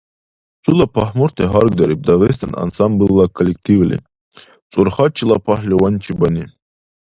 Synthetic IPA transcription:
t͡sʼulapʰahmɔɾt̪ʰɛɦaɾɡd̪aɾip̚d̪aʁis̬t̪ʰana̰nsambɨlˠːakʰɔlɛkt̪ʰivlḭ | t͡sʼuɾχat͡ʃʰilˠapʰahlʲɛwant͡ʃʰibani

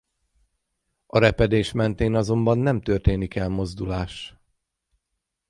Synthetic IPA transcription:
ɒɾɛpɛd̪eːʃmɛnt̪eːnɒzo̞mbɒnːɛmt̪ørt̪eːnikɛlmo̞zd̪ulaːʃ

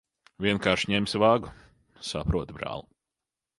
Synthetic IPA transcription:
vʲiɛnkaːɾʃɲɛmsvaːɡu | sapɾuɔt̪bɾa̰ːlˠu

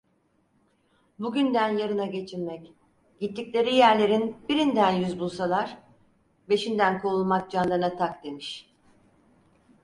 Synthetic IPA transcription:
buɟynd̪ænjaɾɯnaɟe̞t͡ʃʰiɾmɛc | ɟit̪ʰːiclʲe̞ɾijæɾlʲe̞ɾinbiɾind̪ænjyzbulˠsalˠaɾ̥ | be̞ʃind̪ænkʰo̞ulˠmak̚d͡ʒanlˠaɾɯnat̪ʰakd̪e̞miʃ

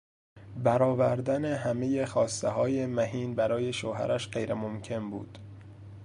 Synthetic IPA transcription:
bæɾɒːvæɾd̪æne̞ɦæme̞je̞xɒːst̪eɦɒːje̞mæhiːnbæɾɒːje̞ʃoːɦæ̰ɾæʃɢejɾemomcʰe̞nbṵːd̪̥

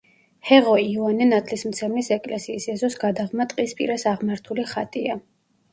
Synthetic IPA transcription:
hɛʁɔivanɛnat̪ʰlismt̪sʰɛmlisɛkʼlɛsiːsɛzɔsɡad̪aʁmat̪ʼqʼispʼḭɾasaʁmaɾt̪ʰuliχat̪ʼia

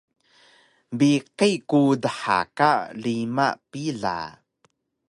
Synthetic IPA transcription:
biqejkudəħa̰kalima̰ʔpiɮa̰

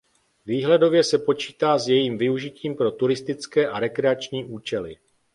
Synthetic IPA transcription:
viːɦlɛdo̞vjɛsɛpo̞t͡ʃiːt̪aːzjɛjiːmvɪuʒɪciːmpɾo̞t̪uɾɪst̪ɪt͡skɛːʔaɾɛkɾɛat͡ʃɲiːʔuːt͡ʃɛlɪ̰

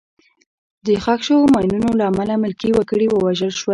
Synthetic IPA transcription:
d̪əxakʃomɑjnunolaːmalamʊlkiwakəɽiwəwaʒəlʃwa

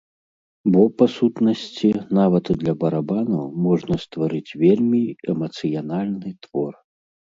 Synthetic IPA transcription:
bɔpasut̪nɐsʲt͡sʲinavɐt̪ɨd̪lʲɐbɐɾabanɐmɔʐnɐst̪vaɾɨt͡sʲvʲelʲmʲiɛmɐt̪sɨjanalʲnɨt̪vɔr

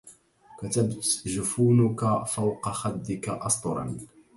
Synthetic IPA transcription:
kat̪abʒʊfuːnʊkafawqɑxad̪ːɪkaʔɑsˤt̪ˤʊɾˤɑ̰n

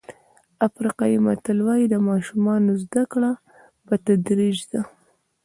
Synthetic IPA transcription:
afɾiqɑjima̰t̪alwɑjid̪əmɑʃumɑnozd̪akɽa | pət̪ad̪ɾid͡ʒd̪a

